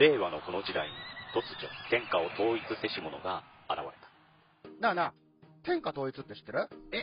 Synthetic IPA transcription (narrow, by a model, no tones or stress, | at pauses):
ɾe̞ːβano̞ko̞no̞d͡ʑid̪aiɲ̟it̪o̞t͡sɨ̥t͡ɕot̪ẽ̞ŋkao̞t̪o̞ːit͡sɨse̞ɕimo̞no̞ɡaːɾa̰βa̰ɾe̞t̪ḁ | nana | t̪ẽ̞ŋkat̪oːit͡sɨt̪ːeɕi̥t̪ːeɾɯe